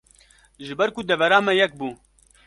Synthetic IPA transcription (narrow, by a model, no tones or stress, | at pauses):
ʒɨbɛɾkud̪ɛvɛɾaːmɛjɛk̚buː